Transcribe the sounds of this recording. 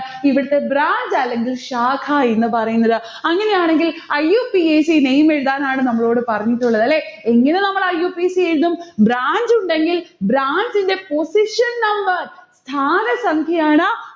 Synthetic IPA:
iʋiɽɐt̪ːe̞bɾaːɲd͡ʑaːlːe̞ŋɡilʂaːkʰaenːɨpɐrɐjunːɐðɨ | ɐŋːɐne̞jaːɳe̞ŋɡilɐjːuːpieːsinejme̞ɻuðaːnaːɳɨnɐmːɐɭo̞ːɽɨpɐrɐɲːiʈːuɭːɐðɐlːe̞eŋːɐne̞nɐmːɐɭɐjːuːpisieɻuðumbɾaːɲd͡ʑuɳɖe̞ŋɡilbɾaːɲd͡ʑinde̞po̞siʂɐnnɐmbɐrst̪ʰaːnɐsɐŋkʰjɐjaːɳɨ

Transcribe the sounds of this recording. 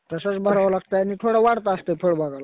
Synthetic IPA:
t̪əsət͡sbʱəɾaʋalaɡ̚t̪ajanit̪ʰoɽaʋaɽt̪aəst̪epʰəɽbaɡʱala

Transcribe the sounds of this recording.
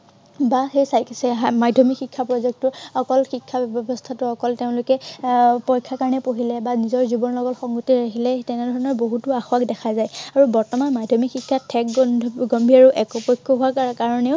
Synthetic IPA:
baxejsajksɛmadʱɔmixʰikʰːapɹɔzɛk̚tʊɔkɔlxikʰːabbɔbɔstʰatʊɔkɔlteʊ̃lʊkɛpɔjkʰːakaɹnɛpoɦilɛbanizɔɹzubɔnlɔɡɔtxɔŋɡutiɹakʰilɛtɛnɛdʱɔɹɔnɔɹboɦutʊaxwakdɛkʰazajaɹubɔɹtɔmanmadʱɔmixikʰːatʰːɛkɡɔmbʱiaɹuʔɛkɔpɔjkʰːɔɦuakkaɹɔneʊ

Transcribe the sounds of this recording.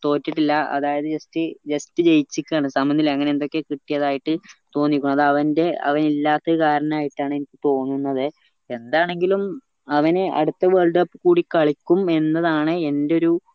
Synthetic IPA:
t̪o̞ːtːiʈːilːɐɐ̰ðaːjɐðɨd͡ʑɐstɨd͡ʑɐstɨt͡ɕe̞jit͡ɕːikʲːaːɳɨsɐmbɐnilɐŋːɐneend̪o̞kːe̞kiʈːijɐðaːjiʈːɨt̪o̞ːnːikʲːuɳːɐðɨɐʋɐnde̞ɐ̰ʋɐnilːaːt̪ːɐkaːɾɐnɐmaːjiʈːaːɳɨe̞nikʲːɨt̪o̞ːnːunːɐðɨ | e̞nd̪aːɳe̞ŋɡilum | ɐʋɐneʔɐ̰ɽut̪ːɐʋeːɭɖɐpːɨkːuːɽikɐɭikʲːume̞nːɐðaːɳɨe̞ndeo̞ɾu

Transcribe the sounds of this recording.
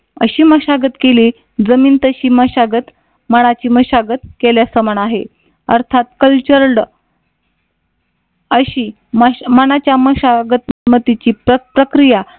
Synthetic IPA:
ə̰ɕiːməɕaɡət̪keliː | d͡zəmiːnt̪əɕiːməɕaɡət̪ | məɽ̃at͡ɕiːməɕaɡət̪keljasəməɳaɦe | ə̰ɾt̪ʰat̪̚kəlt͡ɕəɾɽ | əɕiː | məməɽ̃at͡ɕjaməɕaɡət̪mət̪it͡ɕiːpəpɾəkɾija

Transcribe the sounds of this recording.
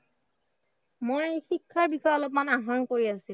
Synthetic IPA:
mojejxikʰːaɹbixɔjɔlɔp̚manaɦɔnkoɹiasil

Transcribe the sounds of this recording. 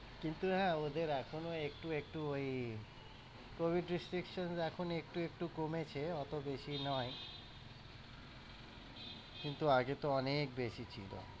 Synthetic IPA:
kint̪uɦɛ̃od̪eɾɛkʰonoek̚ʈuek̚ʈuoj | kobʱiɖɾisʈɾikʃɔnsɛkʰonoek̚ʈuekʈukomet͡ʃʰeɔt̪obeʃinɔj | kint̪uaɡet̪oɔnekbeʃit͡ɕʰḭlɔ̰

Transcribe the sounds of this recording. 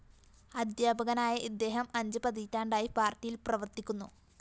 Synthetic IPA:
ɐd̪jaːbʱɐɣɐnaːjɐʔid̪ːe̞ːɦɐmɐɲd͡ʑɨpɐd̪iːtːaːɳɖaːjipaːrtːijilprɐʋɐrt̪ikʲːunːu

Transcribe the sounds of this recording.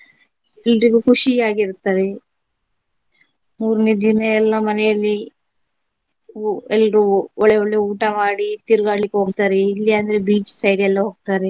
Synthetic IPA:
ɛlɾiɡukʰuʂiaːɡiɾut̪ːaːɾe | muːɾned̪inɐɛlːɐmɐnɛjɐlːi | ɛlːɐɾuɔɭːeɔɭːeuːʈɐmaːɽit̪iɾuɡaːɽlikːeɦo̞ːɡ̚t̪aːɾeilːiɐnd̪ɐɾebiːt͡ʃsɐjɖɛlːɐɦoːɡ̚t̪aːɾe

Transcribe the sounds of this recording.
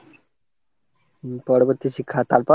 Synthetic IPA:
pɔɾoboɾt̪iʃikʰːat̪aɾpɔ

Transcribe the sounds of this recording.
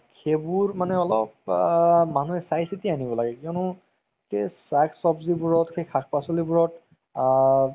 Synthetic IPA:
kʰebuɹmanɛɔlɔp̚ | manuɛsajsitianibɔlaɡɛkiɔnʊ | kesaksɔbzibuɹɔtkʰekʰakpasɔlibuɹɔt

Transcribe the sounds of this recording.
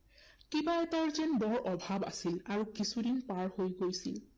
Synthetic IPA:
kibaɛtaɹzɛnbɔɹʔɔbʱaba̰silaɹukisudinpaɹhojɡojsil

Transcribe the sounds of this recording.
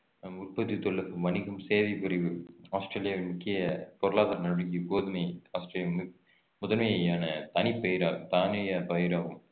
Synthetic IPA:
ʊrpɐt̪ːit̪ɔɭːɐpːɯʋɐnɪɣɐmseːʋɐɪpɪɾɪʋɯaːsʈɾeːlɪjaːʋɐmʊkːɪjɐpɔɾɯɭaːðɐɾnɐɾɯɽɪŋɡiɡoːðɯmɐɪaːsʈɾeːljɐ | mɔðɐlmɐjjaːnɐt̪ɐnipːɐjɪɾaːɣɯmt̪aːnɐjɐpɐjɪɾaːɣɯm

